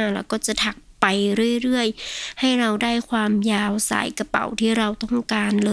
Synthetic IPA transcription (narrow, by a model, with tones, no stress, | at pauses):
lɛː˧˩wkɔː˥˩t͡ɕa˧˩t̪ʰa˧˩k̚pa˨jɾɯ˥˩ə˨jɾɯ˥˩əjha˧˥˩jɾa˧wdaː˥˩jkʰwaː˧mjaː˧wsa̰ː˨˩˦jka˧pa̰˨˩˦wt̪ʰiː˧˥˩ɾa˧wt̪ɔ˥˩ŋkaː˧nlɤː˧